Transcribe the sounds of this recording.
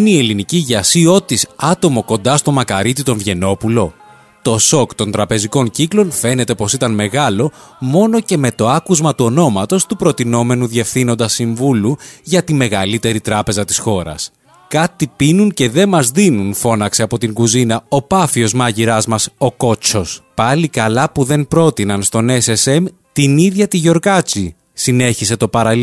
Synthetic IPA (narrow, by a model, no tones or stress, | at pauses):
inie̞liniciʝɐsio̞t̪isɐt̪o̞mo̞ko̞nd̪ɐst̪o̞mɐkɐɾit̪it̪o̞ɱvʝe̞no̞pulo̞ | t̪o̞so̞kt̪o̞nt̪ɾɐpe̞ziko̞nciklo̞nfe̞ne̞t̪e̞po̞sit̪ɐnme̞ɣɐlo̞ | mo̞no̞ce̞me̞t̪o̞ɐkuzmɐt̪uo̞no̞mɐt̪o̞st̪upɾo̞t̪ino̞me̞nuðie̞fθino̞nd̪ɐsiɱvuluʝɐt̪ime̞ɣɐlit̪e̞ɾit̪ɾɐpe̞zɐt̪i̥sxo̞ɾɐ̰s | kɐt̪ipinunce̞ðe̞mɐzðinunfo̞nɐkse̞ɐpo̞t̪iŋɡuzinɐo̞pɐfio̞zmɐʝiɾɐzmɐso̞ko̞t͡ʃo̞spɐlikɐlɐpuðe̞npɾo̞t̪inɐnst̪o̞ne̞sesem | t̪iniðʝɐt̪iʝo̞ɾkɐt͡si | sine̞çise̞t̪o̞pɐɾɐ